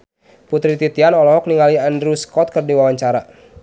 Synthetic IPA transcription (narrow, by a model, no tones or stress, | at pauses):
put̪ɾit̪it̪ianɔlɔɦɔk̚niŋaliandɾuskɔt̪̚kərdiwawaɲt͡ʃaɾa